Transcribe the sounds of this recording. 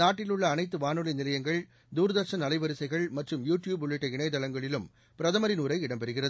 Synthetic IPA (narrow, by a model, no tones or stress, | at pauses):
naːʈːɪlɯɭːɐːnɐɪt̪ːɯʋaːnɯlɐɪnɪlɐjɐŋɡɐɭ | d̪uːɾɐðɐɾʂɐnɐlɐɪʋɐɾɯsɐɪɣɐɭmɐʈrɯmjuːʈjuːbʊɭːɪʈːɐɪɳɐɪt̪ɐlɐŋɡɐɭɪlɯm | pɪɾɐðɐmɐɾɪnuːɾɐɪɪɽɐmpɛɾɯɣɪrɐð